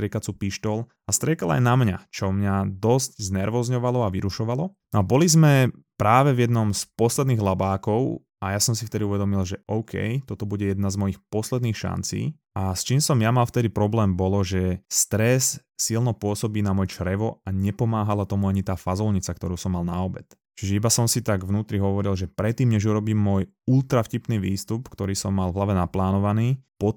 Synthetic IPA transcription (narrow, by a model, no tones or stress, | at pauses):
t̪ɾɪɛkat͡supiʃt̪ɔl | ast̪ɾɪɛkala̰jnamɲat͡ʃɔmɲad̪ɔscznɛɾʋɔzɲɔʋalɔaʋiɾuʃɔʋalɔnɔabɔlizmɛpɾaːʋɛvjɛd̪nɔmspɔslɛd̪niːɣlabaːkɔʊ | ajasɔmsift̪ɛd̪iuʋɛd̪ɔmilʒɛʔɔʊkʰɛ̰jt̪ɔt̪ɔbuɟɛjɛd̪nazmɔjixpɔslɛd̪niːxʃa̰nt͡sḭː | ast͡ʃiːmsɔmjamalft̪ɛd̪ipɾɔblɛːmbɔlɔʒɛst̪ɾɛsː | ilnɔpʊɔsɔbiːnamɔjɛt͡ʃɾɛʋɔaɲɛpɔmaːɦalat̪ɔmuaɲit̪aːfazɔlɲit͡sakt̪ɔɾuːsɔmːalnaɔbɛt̪ | t͡ʃiʒɛibasɔmsit̪aɡvnuːt̪ɾiɦɔʋɔɾilʒɛpɾɛt̪ːiːmɲɛʒuɾɔbiːmːʊɔj | ult̪ɾafcipniːʋiːst̪upkt̪ɔɾiːsɔmːalvɦlaʋɛnaplaːnɔʋaniːpɔ